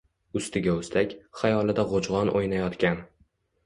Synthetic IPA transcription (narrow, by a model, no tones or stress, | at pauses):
ʊst̪ʰɪɡʲaʊst̪akʲχajɒlɪd̪aʁod͡ʒʁɒnʔojnajɒt̪kʲan